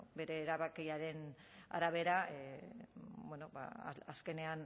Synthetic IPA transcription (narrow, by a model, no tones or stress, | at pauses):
be̞ɾe̞ːɾaβakiaɾe̞na̰ɾaβe̞ɾa | bwenoba̰aske̞ne̞an